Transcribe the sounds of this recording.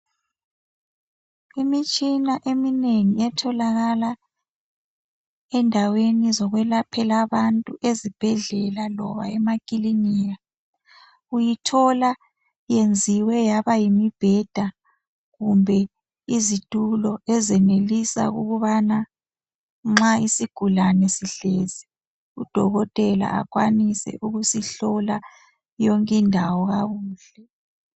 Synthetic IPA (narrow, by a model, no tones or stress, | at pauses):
imit͡ʃʼinaʔemineŋiɛtʰɔlaɣala | ɛndʱawenizɔɣwɛlapʰɛlaβantʼuʔezib̥ʱɛɮɛlalɔ̰βa̰ɛmakʼiliniːja | ujitʰɔla | jend͡zʱiwɛjaβajimib̥ʱɛd̥ʱa | ɣumbʱɛ | izitʼulɔɛzɛnelisa̰ɣṵɣuβana | ŋ͡ǁaisiɡ̥ʱulanɛsiɬɛzɛ | ud̥ʱɔɣɔtʼɛla̰a̰kʼwanisɛ̰ʔuɣusiɬɔla | jɔŋkʼɛndʱawɔɣaɣuːɬɛ